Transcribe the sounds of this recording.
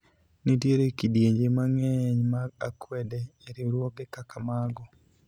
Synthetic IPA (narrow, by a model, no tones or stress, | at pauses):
nidjeɾekidjeɲd͡ʒemaŋɛɲmaɡakwɛdɛːɾɪɾwɔkekakamaɡɔ